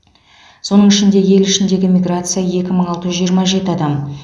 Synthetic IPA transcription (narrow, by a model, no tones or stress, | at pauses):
so̞nəɴɪʃɪnd̪e̞je̞lɪʃɪnd̪e̞ɡʲɪmʲiɡrat̪sɨjaje̞kʲɪməɴɑlˠt̪əʒʏzʒijəɾmɑʒe̞t̪ɪɑd̪ɑm